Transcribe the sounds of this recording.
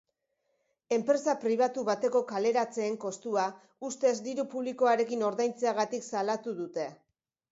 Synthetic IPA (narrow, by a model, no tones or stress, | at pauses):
e̞mpɾe̞sapɾiβ̞at̪uβat̪e̞ko̞kale̞ɾat͡se̞ːŋko̞st̪ua | ust̪e̞zd̪iɾupuβliko̞aɾe̞kino̞ɾðajnt͡seaɣ̞at̪iksalat̪uðut̪e̞